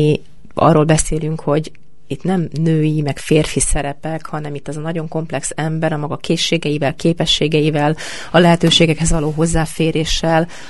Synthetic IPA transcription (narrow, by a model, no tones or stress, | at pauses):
i | ɒ̰rːoːlbɛseːlyŋkho̞ɟ | it̪nɛmnøːjimɛkfeːrfisɛɾɛpɛkhɒnɛmit̪ːɛzɒnɒɟo̞ŋko̞mplɛksɛmbɛɾɒmɒɡɒkeːʃːeːɡɛjivɛlkeːpɛʃːeːɡɛjivɛl | ɒlɛɦɛt̪øːʃeːɡɛkhɛzʋɒloːɦo̞zːaːfeːɾeːʃːɛl